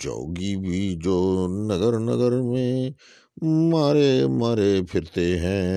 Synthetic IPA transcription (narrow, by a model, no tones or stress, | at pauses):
d͡ʒo̰ːɡibʱid͡ʒoːnəɡəɾnə̰ɡəɾmẽ | maːɾemaːɾepʰɪɾt̪eɦɛ̃ː